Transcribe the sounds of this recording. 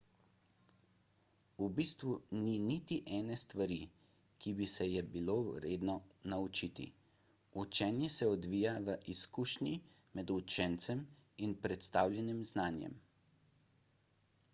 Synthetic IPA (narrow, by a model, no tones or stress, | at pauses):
ubist̪ʋuninit̪iʔɛːnɛst̪ʋaɾi | kʰibisɛjɛbiloːɾeːd̪nɔnaut͡ʃiːt̪ḭ | ut͡ʃɛnjɛsɛɔd̪ʋiːjaʋəʔiskuːʃnji | mɛd̪ut͡ʃɛnt̪sɛm | inpɾɛt̪st̪aːwljɛnimznaːnjɛ̰m